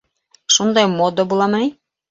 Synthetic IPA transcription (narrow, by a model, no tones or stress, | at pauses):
ʃund̪ɑjmod̪əbulˠɑmɤni